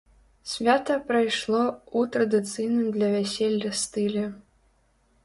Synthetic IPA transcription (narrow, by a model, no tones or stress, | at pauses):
sʲvʲat̪ɐpɾɐjʂlˠɔut̪ɾɐd̪ɨt̪sɨjnɨmd̪lʲɐvʲæsʲelʲːɐst̪ɨlʲɛ